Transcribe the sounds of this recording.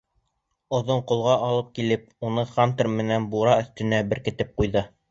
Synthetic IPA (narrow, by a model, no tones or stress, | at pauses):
ŏðoɴqŏlˠʁɑʔɑlˠɤp̚kilɘp̚ | unɤχant̪rmɘ̆nænbuɾɑɵ̆θt̪ɘ̆næbɘ̆ɾkɘ̆t̪ɘp̚qujðɤ